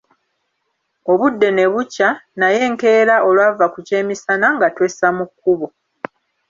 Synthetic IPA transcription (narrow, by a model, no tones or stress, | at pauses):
o̞βudːe̞ne̞βucːanaje̞ːŋke̞ːɾaʔo̞lwavakuce̞ːmisanaŋɡatwe̞ːsamukːuβo̞